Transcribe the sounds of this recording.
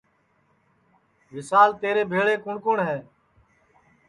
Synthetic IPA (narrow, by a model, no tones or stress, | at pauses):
ʋɪsaːlt̪eːɾeːbʱeːɭeːkʊɳkoːɳɦɛː